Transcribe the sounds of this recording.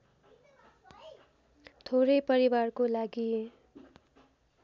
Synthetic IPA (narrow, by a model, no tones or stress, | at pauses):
t̪ʰoɾʌjpʌɾibarkolaɡi